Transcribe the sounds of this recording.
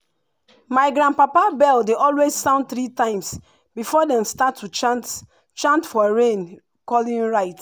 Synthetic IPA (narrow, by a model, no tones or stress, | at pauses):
maɪɡɹãnpapabɛldeʔɔlwezsãʊ̃nd̚θɹitãɪ̃ms | bifɔdɛ̃mstatʰːut | t͡ʃãntfɔɹẽn | kɔlĩnɹaɪt